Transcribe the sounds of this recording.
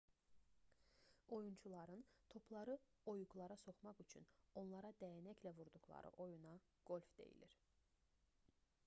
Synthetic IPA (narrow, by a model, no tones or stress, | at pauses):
o̞junt͡ʃʰulˠɑɾɯnt̪ʰo̞pʰlˠɑɾɯo̞juɡlˠɑɾɑso̞χmɑχyt͡ʃʰy̰no̞nlˠɑɾɑd̪æjænæclævuɾd̪uɣlˠɑ̰ɾɯ̰ʔo̞junɑ | ɡ̥o̞lʲfd̪e̞̰jḭliɾ̥